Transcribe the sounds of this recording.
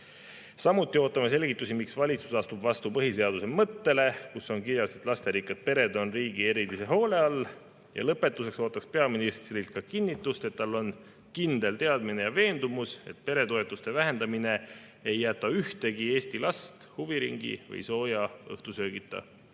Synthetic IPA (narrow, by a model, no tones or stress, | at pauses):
sɑmut̪ːˑioːt̪ːˑɑmes̬e̞lʲɡit̪ˑːusimiksvɑlʲit̪su̥sɑst̪ubvɑst̪upɤɦiseɑd̪use̞mɤt̪ːe̞le̞kuso̞nkiɾjɑset̪ˑlɑst̪e̞ɾikːˑet̪̚pe̞ɾe̞d̪o̞nriːɡ̥ie̞ɾit̪ːise̞ɦo̞ːle̞ɑl | jɑ̰lɤpːˑe̞t̪ːˑuse̞kso̞ːt̪ːˑɑkspe̞ɑminist̪rilt̪̚kɑkinːit̪ːˑust̪et̪ːɑlːo̞n | kind̪̥e̞lt̪e̞ɑd̪mine̞jɑve̞ːnd̪̥umuse̞t̪̚pe̞ɾe̞t̪o̞e̞t̪ːˑust̪e̞væɦe̞nd̪ɑmine̞ | ejːæt̪ːˑɑyht̪e̞ɡie̞ːst̪ilɑst̪huviɾiŋɡ̥ḭvɤ̰jso̞ːjɑɤ̰ht̪usø̞ːɡit̪ːˑɑ̰